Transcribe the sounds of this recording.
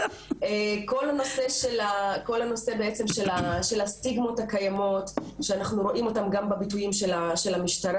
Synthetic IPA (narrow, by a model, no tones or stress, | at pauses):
eko̞lanose̞ʃelako̞lhano̞se̞beet͡se̞mʃelaʃe̞lastiɡmo̞takajamo̞tʃeanaχnuɾo̞ʔimo̞tamɡambabitujimʃelaʃe̞lamiʃtaɾa